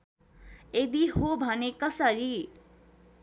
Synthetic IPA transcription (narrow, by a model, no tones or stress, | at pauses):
ed̪iɦobʱʌnekʌsʌɾi